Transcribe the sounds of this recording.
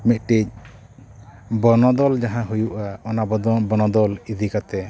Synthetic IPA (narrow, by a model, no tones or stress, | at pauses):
mit̪̚ʈic̚ˀ | bɔnɔd̪ɔld͡ʒaɦãɦujuʔaɔnabɔd̪ɔbɔnɔd̪ɔlid̪ʱikat̪ɛ